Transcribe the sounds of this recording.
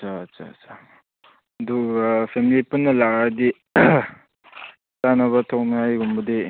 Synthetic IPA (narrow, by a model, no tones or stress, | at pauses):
t͡ʃat͡ʃa̰t͡ʃa | ɐduk̚pʰemilipunːɐlakadi | tanɐβɐtʰok̚najɡumbɐdi